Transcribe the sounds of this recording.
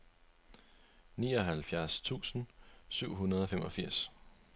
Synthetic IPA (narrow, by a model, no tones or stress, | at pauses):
niːɒɦælfjæɐst͡sʰṵːsən̩syʊ̰ɦunɐð̞ˠɒ̽femʔɒ̽fiɐ̰s